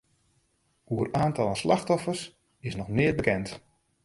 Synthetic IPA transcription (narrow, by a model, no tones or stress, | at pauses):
uəraːntɑlˠənslaxtɔfərs | ɪsnɔxnɪərbəkɛnt